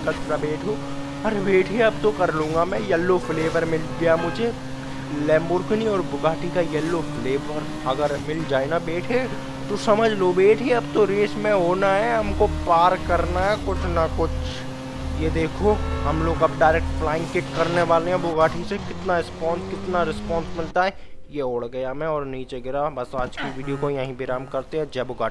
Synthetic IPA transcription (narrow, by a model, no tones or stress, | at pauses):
kɐt͡ʃɾabeːʈʰo | ɐɾbeːʈʰeɐbt̪okɐɾlũːŋɡamɛ̃jɛlːofleːʋəɾmɪlɡijamʊd͡ʒʱe | lɛ̃ːmbʊɾɡniɔːɾbʊɡaːʈʰikajɐlːofleːʋəɾ | ɐɡəɾmɪld͡ʒaːenabeːʈʰe | t̪osɐməd͡ʒʱlobeːʈʰeɐbt̪oɾeːsmẽɦoːnaɦɛɦɐmkopaːɾkɐɾnaɦɛkʊt͡ʃʰnakʊt͡ʃʰ | jed̪eːkʰoɦɐmloːɡɐb̚ɖaːɪɾeːk̚ʈblaːɪ̃ŋkɪʈkɐɾneʋaːleɦɛ̃bʊɡaːʈʰisekɪt̪naɾɪspɔ̃ːnskɪt̪naɾɪspɔːnsmɪlt̪aɦɛ | jeoːɽɡɐjamẽɔːɾniːt͡ʃeɡɪɾabɐsaːd͡ʒkiʋiːɖijokojɐɦĩbʱɪɾaːmkɐɾt̪eɦɛ̃d͡ʒɛːbʊɡaːʈi